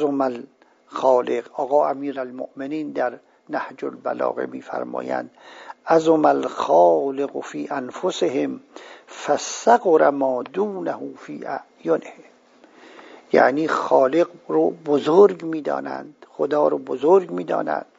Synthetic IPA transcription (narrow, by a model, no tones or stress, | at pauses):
zomæl | xɒːleqɒːɣɒːæmiːɾælmo̰ʔmeniːnd̪æɾ | næhd͡ʒolbælɒ̰ːɣḛmḭːfæ̰ɾmɒ̰ːjæ̰nd̪ʔæzomælxɒːleɣfiːʔænfosehemfæsaɣoɾamɒːd̪uːnæhuːfiːʔæ̰ʔjonehem | jæ̰ʔniːxɒːleɡɾobozoɾɡmiːd̪ɒ̰ːnæ̰nd̪̥χod̪ɒːɾoːbozoɾɡmiːd̪ɒ̰ːnæ̰nd̪̥̚